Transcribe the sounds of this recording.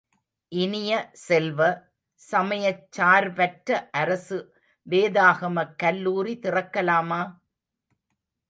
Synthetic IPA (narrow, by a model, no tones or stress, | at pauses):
ʔɪnɪjɐsɛlʋɐ | sɐmɐjɐt͡ʃːaːɾpɐʈɾɐʔɐɾɐsɯ | ʋeːðaːɣɐmɐkːɐlːuːɾit̪ɪrɐkːɐlaːmaː